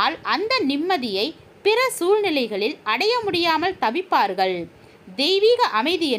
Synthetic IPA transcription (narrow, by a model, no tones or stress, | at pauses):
lʔɐnd̪ɐnɪmːɐðɪjɐɪ | pɪrɐsuːɻnɪlɐɪɣɐɭɪlɐɽɐjɐmʊɽɪjaːmɐlt̪ɐʋɪpːaːɾɣɐɭ | d̪ɛjʋiːɣɐʔɐmɐɪðɪjɛ